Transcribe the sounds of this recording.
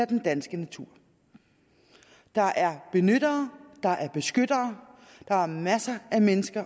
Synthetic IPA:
æd̥end̥ænsɡ̥ənæt͡sʰuɐ̰ | d̥ɑ̈ʔæɐb̥e̝nød̥ɐːd̥ɑ̈ʔæɐb̥e̝sɡ̥ød̥ɐː | d̥ɑ̈æɐmæsɐæmenəsɡ̥ɐ

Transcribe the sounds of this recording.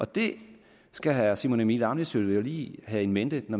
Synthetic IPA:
ʔɒ̽d̥e̝ | sɡ̥æɦæsimo̝nemid̥ɑ̈mlisøljoliːhæe̝nmend̥ənɒ

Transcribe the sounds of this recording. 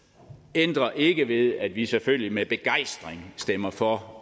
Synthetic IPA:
end̥ʁɐʔe̝ɡ̥əʋe̝ðˠæd̥ʋiseføl̰jimeb̥e̝ɡ̥ɑ̈ɪ̰sd̥ʁeŋsd̥em̰ɐfɒ

